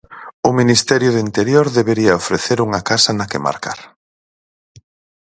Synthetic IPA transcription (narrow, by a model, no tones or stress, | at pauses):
ʊminist̪ɛɾjʊðint̪eɾjoɾðeβeɾiɐofɾeθeɾuŋɐkasɐnɐkema̰ɾka̰ɾ